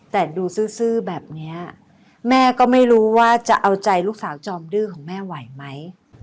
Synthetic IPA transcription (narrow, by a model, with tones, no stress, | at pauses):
t̪ɛː˨˩duː˧sɯː˥˩sɯː˥˩bɛː˨˩p̚ni˦˥ɐ | mɛː˥˩kɔː˥˩ma˥˩jɾuː˦˥waː˥˩t͡ɕa˨˩ʔa˧wt͡ɕa˧jluː˥˩k̚saː˩˦wt͡ɕɔː˧mdɯː˥˩kʰɔː˩˦ŋmɛː˥˩wa˨˩˦jma˦˥j